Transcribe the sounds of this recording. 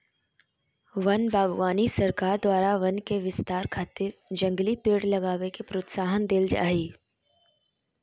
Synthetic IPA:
ʋɐnbʱaːɡʋaːnisɐɾkaːɾd̪waːɾaʋɐnkeʋɪst̪aːɾkʰaːt̪ɪɾd͡ʒɐ̃ŋɡlipɪɽlɐɡaːʋekepɾoːt̪saːɦənd̪eːld͡ʒa̰ːiː

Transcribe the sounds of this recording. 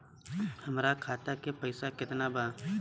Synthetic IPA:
həmɾakʰaːt̪akepəɪsakɪt̪nabaː

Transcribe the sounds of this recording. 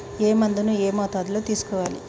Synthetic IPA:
eːmɐnd̪unueːmaːt̪aːd̪lot̪iːsu̥kɔʋaːlḭ

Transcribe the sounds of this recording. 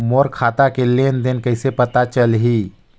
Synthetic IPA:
moɾkʰat̪akelend̪enkəɪsepət̪at͡ʃəlɦi

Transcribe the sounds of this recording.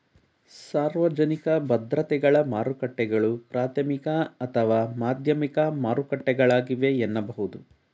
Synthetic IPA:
saːɾʋɐd͡ʒɐnikɐbɐd̪ɾɐt̪ɛɡɐɭɐmaːɾukɐʈːɛɡɐɭupɾaːt̪ʰɐmikɐɐt̪ʰɐʋaːmaːd̪ʱjɐmikɐmaːɾukɐʈːɛɡɐɭaːɡiʋe̞ːnːɐbɐɦud̪u

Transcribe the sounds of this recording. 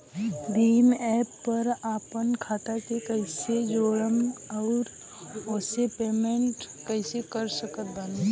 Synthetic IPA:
d̪iːmɛːpːəɾaːpənkʰaːt̪akekəɪsed͡ʒoːɽəmɔʊɾ | osepeːmẽɳʈ | kəɪsekəɾsəkət̪̚bale

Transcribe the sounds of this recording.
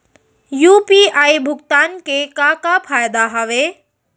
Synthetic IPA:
jupiajbʱʊɡt̪aːnkekakapʰajd̪aɦəʋe

